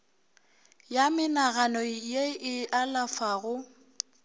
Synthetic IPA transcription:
jamɪnaɣanɔjeɪʔalafaɣʊ

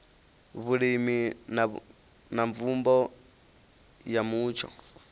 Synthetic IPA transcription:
βuɺimin | naɱvumbɔ | jamuːt͡ʃʰɔ̰

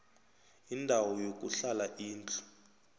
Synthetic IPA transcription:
indʱawɔjok̬ʼuɬalaʔiːnt͡ɬu̥

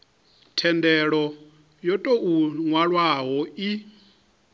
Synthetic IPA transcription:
tʰɛndɛɺɔ | jɔtʼoʔuŋwaɺwaɦɔi

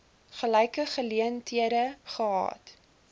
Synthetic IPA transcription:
χəlɛjkəχəliəntʰiəɾəχəɦɑ̰ːt

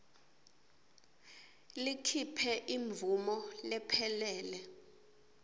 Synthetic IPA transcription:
likʰipʰɛʔiɱvumɔlɛpʰɛlɛːlɛ

